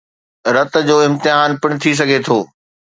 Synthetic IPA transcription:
ɾɐt̪̆d͡ʑoːɪ̃mt̪ɪɦaːnpɪɽ̃̆t̪ʰis̬ɐɡʱet̪ʰoː

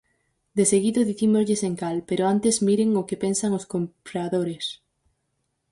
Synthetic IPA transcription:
d̪eseɣiðʊðiθimozʎɪseŋkalpeɾoant̪ezmiɾeŋʊkepensaŋoskompɾaðoɾes

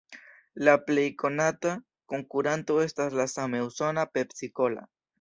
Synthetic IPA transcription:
laplejkonat̪a | koŋkuɾant̪oest̪azlasamewsonapepsikola̰

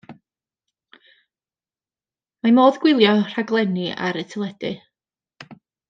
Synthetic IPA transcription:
mamoːðɡwɪlˠjɔr̥aɡlˠɛnia̰ɾɪtʰəlˠɛd̥ɨ

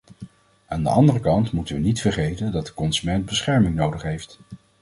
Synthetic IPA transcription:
aːndə̰ʔɑndərəkɑntmutənʋənitfəɹχejtəndɑt̚dəkɔnzymɛnt̚bəsχɛɹmɪŋnowdəχɦejft

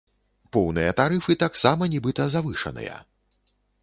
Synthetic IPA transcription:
pɔwnɨjɐt̪aɾɨfɨt̪aksamɐnʲibɨt̪ɐzavɨʂɐ̰nɨ̰jɐ̰

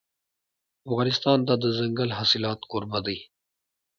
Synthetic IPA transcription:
afɣɑːnɪst̪ɑːnd̪ad̪əzɐŋɡalɦasɪlɑːt̪koɾbad̪əj

